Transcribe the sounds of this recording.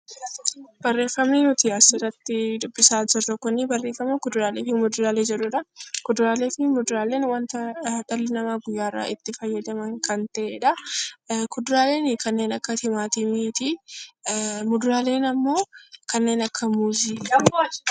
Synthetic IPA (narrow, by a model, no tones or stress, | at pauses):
b̥ɐrːe̞ːfːɐmninʊt̪iɐsɪrɐt̪ːɪd̪ʊbːɪsaːd͡ʒɪrːɐkʊnːɪbɐrːe̞ːfːɐmɐkʊd̪ʊɾaːleːfɪmʊd̪ʊɾaːle̞ːd͡ʒɛᶑʊᶑɐkʊd̪ʊɾaːleːfɪmʊd̪ʊɾaːle̞ːnwɐnt̪ɐt̪ɐlːɪnɐmaːɡʊjːaːɪrːa̰ʔɪt̪ːɪfɐjːɐd̪ɐmɐŋkɐnt̪ɐʔeːᶑɐ | kʊd̪ʊɾaːle̞ːnɪkɐnːe̞ːnɐkːɐt̪ɪmaːt̪ɪmiːt̪ɪ | mʊd̪ʊɾaːle̞ːnɐmːo̞ːkɐnːe̞ːnɐkʰːɐmuːziː